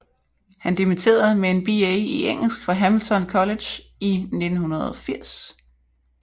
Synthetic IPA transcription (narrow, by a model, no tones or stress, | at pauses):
hænd̥imit͡sʰe̝̰ːɐð̩ˠmee̝nb̥ieiʔeŋ̰l̩sɡ̥fʁɑ̈ɦæml̩t͡sʰɒ̽nkʰɒ̽le̥j | ine̝d̥n̩hunɐðˠɒ̽fiɐ̰s